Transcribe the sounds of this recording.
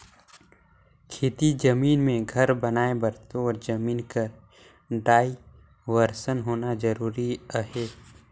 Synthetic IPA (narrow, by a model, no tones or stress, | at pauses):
kʰeːt̪id͡ʒɐmiːnmẽɡʱɐɾbɐnaːebɐɾt̪oɔːɾd͡ʒɐmiːnkəɾ | ɖaːi | ʋəɾsənɦoːnad͡ʒəɾuːɾiəɦeː